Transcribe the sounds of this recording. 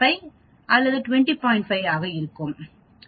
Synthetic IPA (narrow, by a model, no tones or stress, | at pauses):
ɐɪ | ʔɐlːɐðɯʈʊʋɛɳʈipaːɪ̃ɳʈfɐɪaːɣɐɪɾɯkːɯm